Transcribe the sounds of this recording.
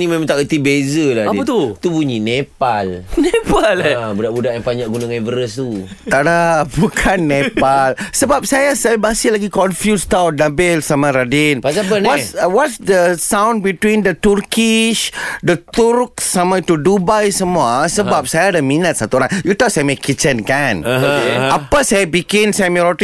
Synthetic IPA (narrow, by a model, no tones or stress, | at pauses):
nimemãŋt̪aʔkət̪ibezəladiət̪ut̪ubuɲinepalnepalbudaʔbudaʔjãŋpaɲaʔɡunãŋãvəɾəst̪u | t̪adabukʰanːẽpalsəbap̚sajasajabasilaɡikɔnfjust̪awnabɛlsamãɾadinpaapəwɔswɔtsdəsãw̃n̚bit̪windət̪urkiʃdət̪uɾk̚samãit̪udubajsəmuasəbap̚sajaːdaminət̪̚sat̪uoɾaŋjut̪ausajamakit͡ʃənkan | apasajabikɪnsajamĩɾɔt̪i